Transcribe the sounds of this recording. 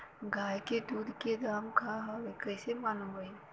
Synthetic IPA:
ɡaːjked̪uːd̪ked̪aːmkʰaɦawekəsemanoɡəi

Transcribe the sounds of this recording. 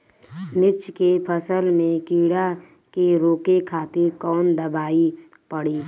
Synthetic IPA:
mɪɾt͡ʃkepʰəsəlmẽkiːɽa | keɾoːkekʰaːt̪ɪɾkɔːnd̪əbaːi | pəɽiː

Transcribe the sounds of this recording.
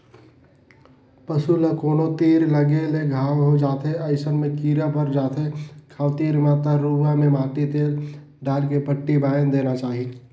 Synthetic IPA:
pəsulakoːnot̪iːɾləɡeleɡʱaːwɦod͡ʒaːt̪ɦeəɪsənmẽkiːɾapəɾd͡ʒaːt̪ɦekʰaːʋt̪iːɾmãːt̪aɾuːʋãmẽmaːʈ̪it̪eːɾ | ɖaːlkepəʈːibaːjənd̪eːnat͡ʃaːɦie

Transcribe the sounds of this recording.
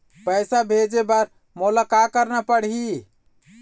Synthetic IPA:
pəjsabʱed͡ʒebaɾ | mulakakəɾnapəɽɦi

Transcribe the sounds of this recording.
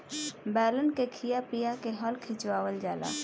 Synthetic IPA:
bɛːlənkekʰijapijakeɦɔːlkʰɪ̃t͡ʃwaːwəld͡ʒaːla̰ː

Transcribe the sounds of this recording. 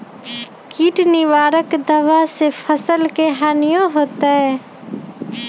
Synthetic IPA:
kiːʈnɪʋaːɾəkd̪əʋasefpʰəsəlkeɦaːnɪjõɦoːt̪aɦɛː

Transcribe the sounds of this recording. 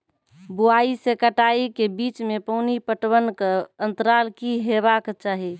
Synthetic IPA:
buaisekəʈaikebit͡ʃmepəɦnipəʈwənkənt̪əɾalkiɦeβakt͡ʃaɦi

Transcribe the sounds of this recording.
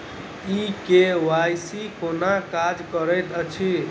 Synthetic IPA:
ikewajsikonakad͡ʒkəɾəjt̪ət͡ʃʰi

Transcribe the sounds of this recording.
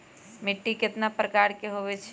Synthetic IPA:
mɪʈːikɪt̪napɾəkaːɾkeɦoʋet͡ʃʰ

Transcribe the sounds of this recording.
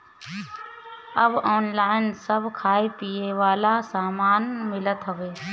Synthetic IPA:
əbɔːnlaːɪnsəbʱkʰaːipiːeːʋaːlasaːmaːnmɪlət̪ɦəʋeː

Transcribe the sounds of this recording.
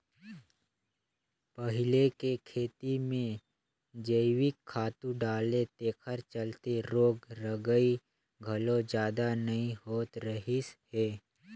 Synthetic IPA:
pəɦɪlekekʰeːt̪imẽ | d͡ʒəɪwɪkʰːaːt̪ũɖaːlet̪eːkʰəɾt͡ʃəlt̪eɾoːɡɾəɡəi | ɡʱɐlõd͡ʒjaːd̪anɐɦĩhoːt̪ɾəɦisheː

